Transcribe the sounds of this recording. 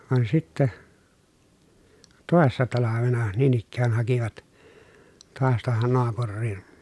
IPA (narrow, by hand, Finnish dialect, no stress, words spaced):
ʋɑn sitːæ toˑesːɑ tɑlɑʋenɑ niːn ikːæːn hɑkiʋɑt toɑs tŭohon noɑpurːii̥n̥